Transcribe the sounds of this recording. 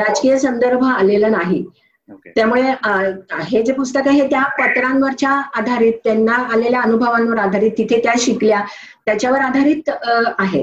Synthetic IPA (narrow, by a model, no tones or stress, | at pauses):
ɾad͡zkijəsənd̪əɾbʱalelənaɦi | t̪jamuɭe | ɦed͡zepust̪əkəɦet̪japət̪ɾãnʋəɾt͡ɕjaːd̪ʱaɾiːt̪ːenːaːleljaənubʱəʋãnʋəɾad̪ʱaɾiːt̪ːit̪ʰet̪jaɕiklja | t̪jat͡ɕjaʋəɾad̪ʱaɾiːt̪aɦḛ